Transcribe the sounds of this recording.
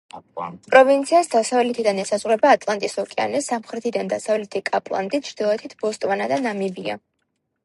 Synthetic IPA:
pʼɾɔvint̪sʰiasd̪asavlɛt̪ʰid̪anɛsazʁwɾɛbaːt̪ʼlˠant̪ʼisɔkʼia̰nɛsamχɾɛt̪ʰid̪and̪asavlɛt̪ʰikʼapʼlˠa̰nt̪ʼit͡ʃʰɾd̪ilˠɔɛt̪ʰit̪ʰb̥ɔst̪ʼwanad̪anamibia̰

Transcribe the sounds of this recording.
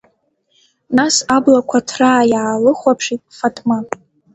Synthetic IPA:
nasablakʷʰatʰraːjaːlɨχʷapʰʂitʼfatʰma

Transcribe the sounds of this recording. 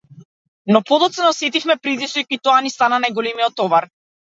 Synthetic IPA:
nɔpɔd̪ɔt̪sɛnɔsɛt̪ifmɛpɾit̪isɔjkit̪ɔanist̪ananajɡɔlɛmiɔt̪ːɔvaɾ

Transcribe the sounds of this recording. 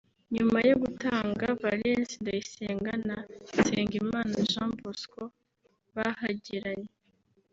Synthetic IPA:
ɲumajoɡutaːŋɡavalensindajiseːŋɡanaseːŋɡimaːnaʒãːmbosko | βahaɟiɾaɲe

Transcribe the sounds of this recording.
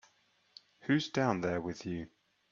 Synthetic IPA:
hʉzdãʊ̃nðəwɪðjʉ

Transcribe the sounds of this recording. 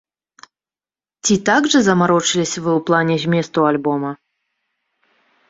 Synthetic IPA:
t͡sʲit̪aɡʐɨzɐmaɾɔt͡ʂɨlʲisʲvɨwplˠanʲɛzʲmʲɛst̪ualʲbɔmɐ

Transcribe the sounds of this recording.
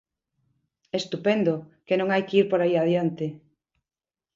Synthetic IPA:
est̪upɛnd̪okenõŋajkiɾpoɾaiað̞jant̪e

